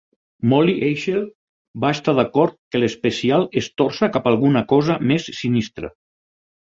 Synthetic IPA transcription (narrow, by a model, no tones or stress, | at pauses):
mɔliʔejʃel | baest̪aðakɔɾt̪̚kələspəsialˠest̪ɔɾsakapalˠɣunakɔzəmesːinist̪ɾə̰